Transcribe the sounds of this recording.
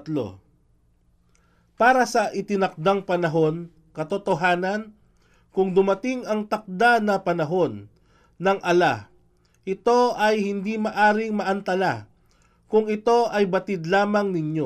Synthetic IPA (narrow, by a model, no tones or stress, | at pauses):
t̪lo̰ | paːɾɐsɐʔɪt̪ɪnɐk̚d̪aŋpɐnɐɦo̞n | kɐt̪ot̪oɦaːnɐn | kʊŋd̪ʊmɐt̪ɪŋɐŋt̪ɐk̚d̪anɐpɐnɐɦo̞nː | ɐŋʔɐla | ʔɪt̪o̞ɐjhɪnd̪imɐʔaːɾɪŋmɐʔɐnt̪ɐla | kʊŋɪt̪o̞ɐjbɐt̪ɪd̪laːmɐŋnɪɲo